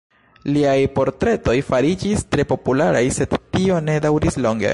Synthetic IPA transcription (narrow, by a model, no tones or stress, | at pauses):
liajpo̞ɾtɾe̞to̞jfaɾid͡ʒistɾe̞po̞pulaɾajse̞dtio̞ne̞dawɾislo̞ŋɡḛ